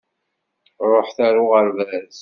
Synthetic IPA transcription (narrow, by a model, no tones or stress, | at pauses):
ɾˤoħθæɾuʁəɾvæz